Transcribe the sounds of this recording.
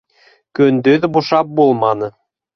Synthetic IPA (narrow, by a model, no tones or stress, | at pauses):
kønd̪øðɘ̆buʃɑp̚bolˠmɑnɤ̆